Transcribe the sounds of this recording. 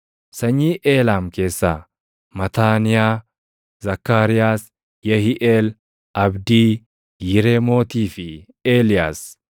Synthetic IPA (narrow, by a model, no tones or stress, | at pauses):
sɐɲːiːʔeːlaːmke̞ːsːɐ | mɐt̪aːnɪjaː | zɐkːaːɾɪjaːs | jɐhɪʔeːl | ɐbd̪iː | jɪɾeːmo̞ːt̪iːfɪ | eːlɪjaːs